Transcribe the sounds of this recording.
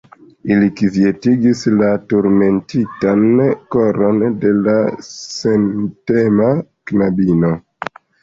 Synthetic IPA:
ilikivie̞tiɡislatuɾme̞ntitankoɾo̞nde̞lasentemaknabino̞

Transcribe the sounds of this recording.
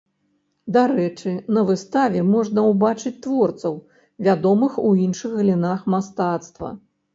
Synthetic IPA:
d̪aɾɛt͡ʂɨnɐvɨst̪avʲɛmɔʐnɐwbat͡ʂɨt͡sʲt̪vɔrt̪sɐw | vʲad̪ɔmɨxuinʂɨxɣlʲinaxmast̪at̪st̪vɐ̰

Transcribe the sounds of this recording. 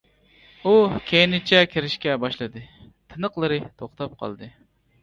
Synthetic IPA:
ukʲʰejinɪt͡ʃʰɛkʲʰeɾɪʃkʲɛbɑʃlˠɨd̪ɨ | t̪ʰɨnəqlˠɨɾɨt̪ʰoχt̪ɑp̚qʰɑ̰lˠd̪ɨ

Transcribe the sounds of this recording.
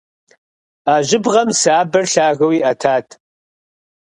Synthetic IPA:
aːʑɪbʁɐmsaːbɐrɬaːɣɐwiːʔɐtʰaːtʰ

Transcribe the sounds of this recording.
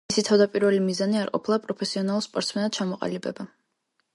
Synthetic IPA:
isit̪ʰavd̪apʼiɾvɛlimizaniaɾqʼɔ̰pʰlˠapʼɾɔpʰɛsiɔnalˠuspʼɔɾt̪smɛnat̪̚t͡ʃʰamɔqʼa̰libɛba

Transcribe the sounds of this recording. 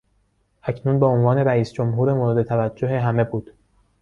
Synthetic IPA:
ʔæcʰnuːnbeonvɒːne̞ɾæiːsd͡ʒomɦuːɾemoɾed̪e̞t̪ʰævæd͡ʒːoɦe̞ɦæme̞buːd̪̥

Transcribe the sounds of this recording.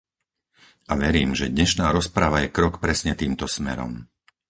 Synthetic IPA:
ʔaʋɛɾiːmʒɛd̪ɲɛʃnaːɾɔspɾaʋajɛkɾɔkpɾɛsɲɛt̪iːmt̪ɔsmɛ̰ɾɔ̰m

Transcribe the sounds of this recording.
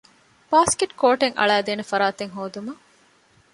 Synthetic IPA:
b̥aːskiʈkoːʈeŋʔɐ̰ɭæːd̪eːnefɐɾaːt̪eŋɦoːd̪umɐ

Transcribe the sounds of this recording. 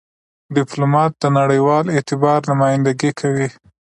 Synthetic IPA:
ɖɪplomɑt̪̚d̪̥ənaɽəjwɑlet̪ɪbɑɾnʊmɑjɪnd̪aɡikʰawi

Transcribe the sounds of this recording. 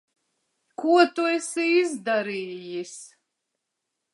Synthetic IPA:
kuɔt̪uɛsiizd̪aɾiːjis

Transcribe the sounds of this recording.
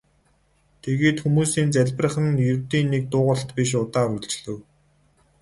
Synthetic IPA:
t̪ʰeɣeːt̪xumuːsiːnt͡sæɮʲp̆rə̆χə̆njɵrt̪iːnːek̚t̪ʊːʁə̆ɬt̪piʃ̬ʊt̪aːɾuɮt͡ɕɮɘ̆w

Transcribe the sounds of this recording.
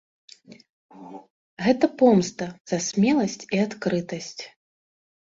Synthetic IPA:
ɣɛt̪ɐpɔmst̪ɐz̥asʲmʲɛlˠɐsʲt͡sʲiat̪kɾɨt̪ɐsʲt͡sʲ

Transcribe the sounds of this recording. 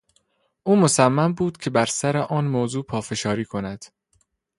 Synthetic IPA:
ʔuːmosæmːæmbuːd̪̥cʰe̞bæɾsæɾeʔɒːnmoːzuːpʰɒːfe̞ʃɒːɾiːkʰonæd̪̥

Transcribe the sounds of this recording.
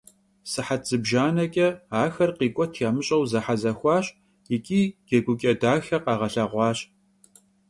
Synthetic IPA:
sɨħatzɨbʒaːnɐkʲʼɐaːxɐrqiːkʷʼɔtʰjaːmɨɕʼɐwzɐħazɐxʷɑːɕʼ | jikʲʼiːɡ̥ɐɡʷʊkʲʼɐdaːxɐqɑːʁɐɬɐʁʷɑːɕ

